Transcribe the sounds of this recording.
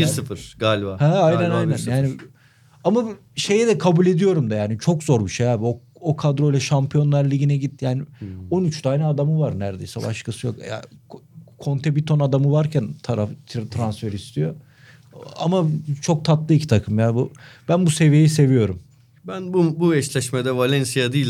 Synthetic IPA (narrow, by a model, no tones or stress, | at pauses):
bisɯfɯɾ̥ɡaːlʲbahɛajnænajnænjaːnɪ | ama | ʃe̞jɛd̪ɛkʰabulʲe̞d̪ijo̞ɾumd̪ajaːnit͡ʃʰo̞kzo̞ɾbiʃejaːbiookʰad̪ɾo̞jlʲɛʃampʰijo̞nlˠaɾlʲiɟinɛɟit̪jaːnɪo̞nyt͡ʃt̪ʰaːnɛad̪amɯvaɾnæɾd̪e̞̰jsɛ̰ba̰ʃkʰasɯjo̞̰kja̰ | kʰo̞nt̪ʰɛbit̪ʰo̞nad̪amɯvaɾcʰænt̪ʰaɾafʰt̪ʰɾansfeɾist̪ʰijo̞ | a̰mat͡ʃʰo̞k̚t̪ʰat̪lˠɯicʰi̥t̪ʰakʰɯmjaːnbub̥ænbuse̞vijejise̞vijo̞ɾum | bænbubuɛt͡ʃlʲɛʃmɛd̪ɛvalʲɛnsijad̪iːlʲ